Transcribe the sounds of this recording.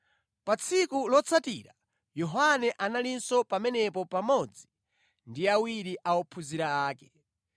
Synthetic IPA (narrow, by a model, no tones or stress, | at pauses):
pat͡sʰikulɔt͡sʰatḭɾa | jɔɦanɛʔanalinsɔpamɛnɛpɔpamɔd͡zi | ndiawiɾiʔaɔpʰuziɾaːkɛ̥